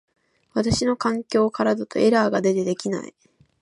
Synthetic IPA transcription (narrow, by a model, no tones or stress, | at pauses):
βat̪aɕino̞kãŋkʲo̞ːkaɾad̪ot̪o̞̰ʔe̞ɾaːɡad̪e̞t̪e̞d̪e̞kʲina̰ḭ